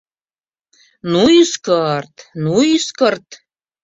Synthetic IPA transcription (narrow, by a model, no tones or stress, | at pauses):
nuiskərt̪nuiskərt̪